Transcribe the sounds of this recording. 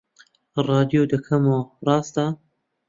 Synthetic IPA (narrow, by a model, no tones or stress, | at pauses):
rˤɑːd̪ijod̪ɐkʰɐmorˤɑːst̪a